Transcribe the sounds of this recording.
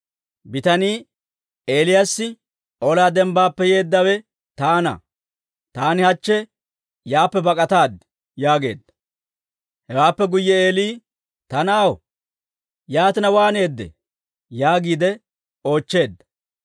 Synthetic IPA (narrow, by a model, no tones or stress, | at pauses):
bɪt̪ɐniː | eːlɪjasːɪ | ʔolaːd̪ɛmbaːpːɛje̞ːd̪ːɐwɛ | t̪aːnɐ̰ | t̪aːnɪhɐt͡ʃːɛ | jaːpːɛbɐkʼɐt̪aːd̪ɪ | jaːɡe̞̰ːd̪ːɐ̥ | hɛwaːpːɛɡʊjːɛeːliː | t̪ɐnɐw | jaːt̪ɪnɐwaːne̞ːd̪ːɛ̰ | jaːɡiːd̪ɛ | o̞ːt͡ʃːe̞ːd̪ːɐ̥